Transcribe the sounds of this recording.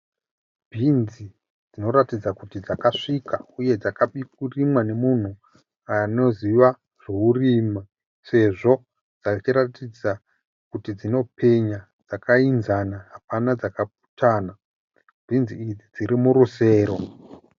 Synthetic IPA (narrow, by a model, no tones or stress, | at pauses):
bʱinzi | d͡zino̞ɾatid͡zakutid͡zakaʂikauje̞d͡zakaɓik̚urimwane̞mun̤u | ano̞ziʋa | reuriːma | se̞ʐo̞ | d͡zat͡ʃiɾatid͡za | kutid͡zino̞pʰe̞ɲa | d͡zakʰainzanaɦapanad͡zakap̚u̥tʰaːna | bʱinziid͡zid͡ziɾimuɾuse̞ːɾo̞